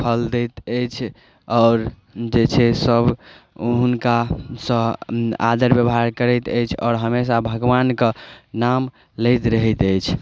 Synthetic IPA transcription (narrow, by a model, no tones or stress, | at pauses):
pʰəld̪ɛt̪əjt͡ʃʰ | ɔːɾ | d͡ʒet͡ʃʰɛsəbʱ | ɦunkasə̃a̰d̪əɾbjəbɦaɾkəɾɛt̪əjt͡ʃʰɔ̰ːɾɦəmes̬abʱəɡʋankənam | ləjt̪ɾəɦɛt̪əjt͡ʃʰ